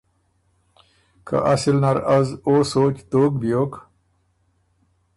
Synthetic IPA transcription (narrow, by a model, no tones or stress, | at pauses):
kʰa̰ʔasilnaɾazoːsoːt͡ɕt̪oːkbjoːk